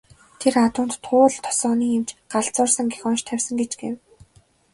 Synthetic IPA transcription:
t̪ʰerat̪ʊːnt̪ːʰʊːɮt̪ʰːɔ̥sɔːniːemt͡ɕɢ̥aɮt͡sʊːrsə̆ŋɡexɔnʃt̪ʰæwʲsə̆ŋɡet͡ɕɡḛw

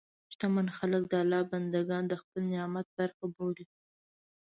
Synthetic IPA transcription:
ʃt̪amanxalək̚d̪əalːɑband̪aɡɑnd̪əxpəlnɪɑmat̪̚baɾxaboɽi

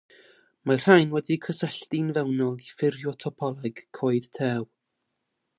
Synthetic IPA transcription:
mar̥ajnwɛdikʰəsəɬtinvɛwnɔlˠifɪrjɔtʰɔpʰɔlˠɛɡ̥kʰoːɨðtʰɛːw

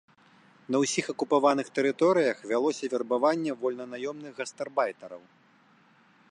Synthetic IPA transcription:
nɐwsʲixɐkupavan̪ɨxt̪ɛɾɨt̪ɔɾɨjɐxvʲalˠɔsʲɐvʲɛrbavanʲːɛvɔlʲnɐnajɔmnɨɣɣɐst̪ɛrbajt̪ɐɾɐw

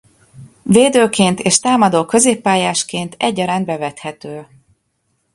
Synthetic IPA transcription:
veːd̪øːkeːnt̪eːʃt̪aːmɒd̪oːkø̞zeːpːaːjaːʃkeːnt̪ʰɛɟːɒɾaːnbɛvɛt̪hɛt̪øː

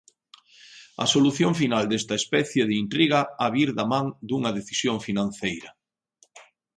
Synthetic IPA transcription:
ɐ̰soluθjoɱfinald̪est̪ɐespɛθjeðeint̪ɾiɣaaβiɾðamãŋd̪uŋɐðeθisjoŋfinãn̟θejɾɐ

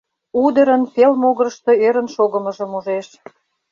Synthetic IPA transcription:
ud̪ə̆ɾə̆nfelmoɣə̆ɾəʃt̪ŏeɾə̆nʃoɣə̆mə̆ʒə̆muʒeʃ

